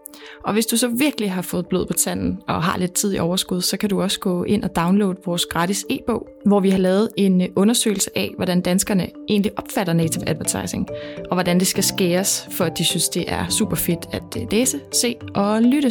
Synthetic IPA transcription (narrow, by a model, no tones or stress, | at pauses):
ʔɒ̽ʋe̝sd̥usɒ̽ʋiɐɡ̥liɦɑ̈fɔ̽ːð̩ˠb̥loð̞̩ˠpʰɒ̽t͡sʰæn̰n̩ɒ̽ɦɑ̈le̝d̥̚t͡sʰið̞̰ˠiʔɒʊɐsɡ̥uð̞ˠsɒ̽kʰæduɒ̽sə̥ɡ̥ɔ̰e̝n̰ɒ̽d̥ɑ̈ʊnlo̰ːd̥ˠʋɒːsɡ̥ʁɑ̈ːdise̝̰ːb̥ɔ̰̽ʊ̰ | ʋɒʋihɑ̈lɛːð̞̩ˠe̝nʔɔ̽nɐsø̰ɪl̩səʔɛʋɒɾ̥ænd̥ænsɡ̥ɐnəʔe̝̰ːnliʔɒ̽b̥fæɾɐneɪt͡sʰi̝ʊæd̥ʋæɐt͡sʰɑ̈ɪse̝ŋʔɒ̽ʋɒdænd̥e̝sɡ̥æsɡ̥e̝̰ːɐsfɒ̽æd̥isynsd̥e̝ʔæɐsṵːb̥ɐfe̝d̥æd̥leːsəse̝̰ːʔɒ̽lyɾ̥ə